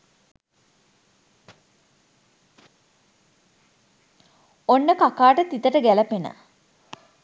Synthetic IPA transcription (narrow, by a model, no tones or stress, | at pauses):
onːəkakaːʈət̪it̪əʈəɡæləpenə̰